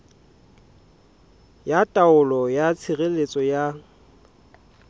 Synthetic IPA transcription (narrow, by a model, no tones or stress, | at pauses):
jatʼaʊlɔjat͡sʰɪɣelet͡sʼɔja